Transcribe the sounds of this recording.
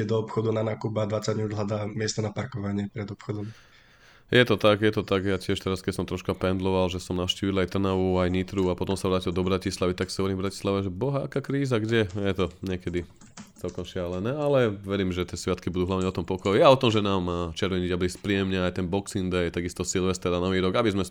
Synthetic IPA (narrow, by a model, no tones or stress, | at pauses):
ɛd̪ɔɔpxɔd̪unanaːkubad̪ʋat͡saɟɲud̪lad̪aːmɪɛst̪ɔnapaɾkɔʋaɲɪɛpɾɛd̪ɔpxɔd̪ɔm | jɛt̪ɔt̪aɡjɛt̪ɔt̪aɡjacɪɛʃt̪ɛɾaskɛcsɔmt̪ɾɔʃkapɛnd̪lɔʋalʒɛsɔmnaʊʃciːʋilajt̪r̩naʋuajɲit̪ɾuapɔt̪ɔmsaʋɾaːcilˠd̪ɔbɾacislaʋit̪aksaɦɔʋɔɾiɱvbɾaci̥slaʋɛʒɛbɔɦaakaːkɾiːzaɡɟɛjɛt̪ɔɲɛkɛd̪i | t͡sɛlkɔmʃɪalɛnɛːalɛʋɛɾiːmʒɛt̪ɪɛsʋɪat̪kibud̪uːɦlaʊɲɛɔt̪ɔmpɔkɔjaɔt̪ɔmʒɛnaːmːaːt͡ʃɛɾʋɛɲiɟabliːspɾiɛmɲɛajt̪ɛnbɔksind̪ɛjɛt̪aɡist̪ɔsilʋɛst̪ɛɾanɔʋiːɾɔɡabizmɛ